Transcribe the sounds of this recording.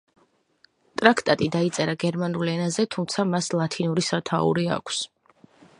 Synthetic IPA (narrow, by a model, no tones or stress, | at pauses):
t̪ʼɾakʰt̪ʼat̪ʼid̪ait̪sʼɛɾaɡɛɾmanulɛnazɛt̪ʰumt̪sʰamaslˠat̪ʰinuɾisat̪ʰa̰ṵɾia̰kʷʰs